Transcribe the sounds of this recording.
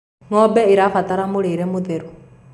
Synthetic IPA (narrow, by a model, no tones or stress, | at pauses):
ŋɔbɛiɾafat̪aɾamuɾiɾemuðeɾu